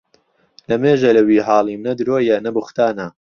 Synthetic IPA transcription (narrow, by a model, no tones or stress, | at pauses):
lɐmeːʒɐlɐwiːɦɑːlˠimnɐd̪ɾoːjɐnɐbɨxʷt̪aːnɐ